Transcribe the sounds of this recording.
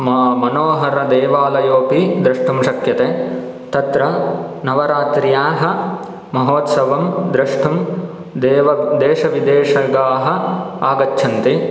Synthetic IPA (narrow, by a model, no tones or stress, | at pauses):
mɐːmɐnoːɦɐɾɐd̪eːʋaːlɐjoːpid̪ɾɐʂʈumʃɐkjɐt̪eː | t̪ɐt̪ɾɐnɐʋɐɾaːt̪ɾijaːɦɐ | mɐɦoːt̪sɐʋɐmd̪ɾɐʂʈʰum | d̪eːʋɐd̪eːʃɐʋid̪eːʃɐɡaːɦɐaːɡɐtːt͡ʃʰɐnt̪i